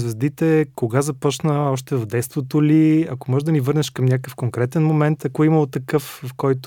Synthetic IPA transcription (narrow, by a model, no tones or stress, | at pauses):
zvɛzd̪it̪ɛkoɡazɐpɔt͡ʃnəɔʃt̪ɛvɐvd̪ɛtst̪vot̪oliɐkomɔʒɛd̪ɐnivɤɾnɛʃkɐmnʲakəkəfkoŋkɾɛt̪ɛnmomɛnt̪ɐkoiməot̪ːɐkɤffkɔjt̪